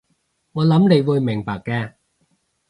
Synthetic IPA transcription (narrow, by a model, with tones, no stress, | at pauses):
ŋɔː˨˧lɐ˨˥mne˨˧jwuː˨˧jmɪ˨˩ŋpaː˨kkːɛː˧